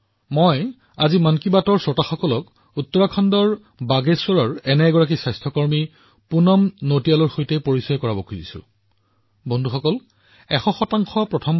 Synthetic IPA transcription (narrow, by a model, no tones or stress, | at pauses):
mɔj | azimankibatɔɹsɔtaxɔkɔlɔk | utːɔɹakʰɔndɔɹ | baɡeswɔɹɔɹɛnɛɡɔɹak̬isajstʰɔkɔɹmi | punɔmnotialɔɹxojtɛpoɹisɔjɔkɔɹabɔkʰuzḭsʊ̰ | bondʱuxɔkɔl | ɛxɔxɔtaŋxɔpɹɔtʰɔm